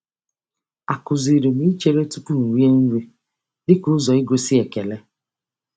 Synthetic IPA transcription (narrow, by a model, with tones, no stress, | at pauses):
a˨kʊ˨zi˨ɾi˨ni˦t͡ʃe˦ɾe˦tu˦ku˦n̩˨wi˦e˦n̩˦ɾi˦ | dɪ˦kʊ˦zɔ˨ɪ˦ɡʷe˦si˦e˨ke˨le˦